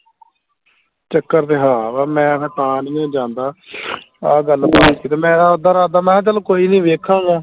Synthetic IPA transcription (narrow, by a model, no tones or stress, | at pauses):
t͡ʃəkːəɾd̪eːɦaːʋaːmɛ̃ːsɛːt̪aːnĩːd͡ʒãːnd̪aː | aːɡəlpaːkiːt̪eːmɛ̃ːd̪aːod̪aːɾaːd̪aːmɛ̃ːt͡ʃəlːkoːiːnĩːʋeːkʰãːŋɡaː